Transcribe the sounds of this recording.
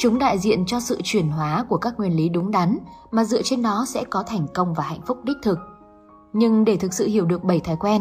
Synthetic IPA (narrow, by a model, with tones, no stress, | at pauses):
t͡ɕʊ˨˦ŋ͡mɗa̰ː˧˨jzḭ˧˨ənt͡ɕɔ˧sɨ̰˧˨t͡ɕwi˧˩ənɦwaː˨˦ku˧˩əkaː˦˥k̚ŋwi˨˩ənli˨˦ɗʊ˨˦ŋ͡mɗa˨˦nmaː˨˩zɨ̰˧ət͡ɕe˧nɗɔ˨˦sɛ̰˧˥kɔ˨˦t̪ʰɛ˨˩jŋ̟kə˧wŋ͡mvaː˨˩hɛ̰˧˨jŋ̟fʊ˦˥k͡p̚ɗi˦˥k̟̚t̪ʰɨ˨˩k̚ | ɲɨ˧ŋɗe˧˩t̪ʰɨ˨˩k̚sɨ̰˧˨hi˧˩əwɗɨ˨˩ək̚ɓə˧˩jt̪ʰaː˨˩jkwɛ˧n